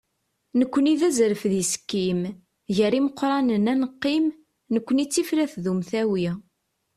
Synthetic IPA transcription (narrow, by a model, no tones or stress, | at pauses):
nəkʷːəniðæzɾəfðisə̥kːim | ʝəɾiməqːɾˤɑnənænəqːim | nəkʷːənit͡sːifɾæθðumθæwi